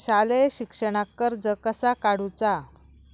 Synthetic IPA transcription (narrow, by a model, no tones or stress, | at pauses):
ɕaleɕikʂəɽ̃akːəɾd͡zəkəsakaɽut͡sa